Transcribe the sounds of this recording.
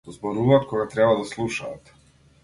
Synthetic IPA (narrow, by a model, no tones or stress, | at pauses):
d̪ɔzbɔɾuvaːt̪̚kʰɔɡat̪ɾɛbad̪aslˠuʃaːt̪